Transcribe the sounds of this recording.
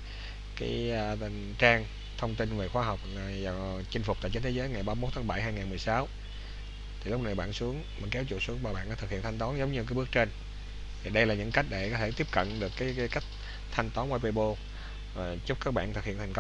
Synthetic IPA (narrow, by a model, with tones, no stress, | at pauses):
kaː˨˦jŋt͡ɕaː˧ŋ | t̪ʰə˧wŋ͡mt̪i˧nve˨˩xwaː˧ɦɔ˨˩wk͡p̚a˨˩t͡ɕï˧ŋ̟fʊ˨˩k͡p̚t̪a̰ː˧˨t͡ɕə˧˦nt̪ʰe˨˦zəː˨˦jŋa˨˩jɓaː˧m˦˥t̪̚ʰːaː˨˦˥ɓa˧˩jɦaː˧jŋaː˨˩nm˨˩əjsaː˨˦w | t̪ʰi˨˩lʊ˦˥k͡p̚na˨˩jɓa̰ː˧˨nsu˨˦əŋma˨˩nkɛ˨˦wt͡ɕṵ˧˨su˨˦ŋvaː˨˩ɓa̰ː˧˨nʔaː˧˨t̪ʰɨ˨˩khḭ˧˨ənt̪ʰa˧ŋ̟t̪ɔ˨˦nzə˨˦wŋ͡mɲɨ˧kaː˨˦ɓək̚t͡ɕe˧n | vʰi˨˩ɗə˧jlaː˨˩ɲɨ̰˧˥ŋka˦˥jk̟̚ɗe˧˩kɔ˨˦t̪ʰe˧˩t̪i˦˥əp̚kə̰˧˨nɗɨ˨˩əkːaː˨˦jkaː˨˦jka˦˥jk̟̚ | t̪ʰa˧jŋ̟t̪ɔ˨˦nʔwa˧jpe˧ɓo˧ | va˨˩t͡ɕʊ˦˥k͡p̚kaː˦˥k̚ɓa̰ː˧˨nt̪ɨ˨k̚hḭ˧˨ənt̪ʰŋ̟k